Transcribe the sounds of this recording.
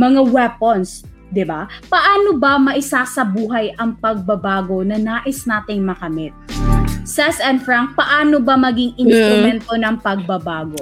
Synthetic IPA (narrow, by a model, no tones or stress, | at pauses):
mɐŋawɛpons | d̪ɪbapɐʔaːnobɐmɐʔɪsasɐbuːɦɐjʔɐŋpɐɡ̚bɐbaːɡo̞nɐnaːʔɪsnaːt̪ɪŋmɐkɐmɪt̪̚sɛsɛnfɹaŋk̚pɐʔaːnobɐmɐɡɪŋɪnst̪ɾʊmɛnt̪onɐŋpɐɡ̚bɐbaːɡo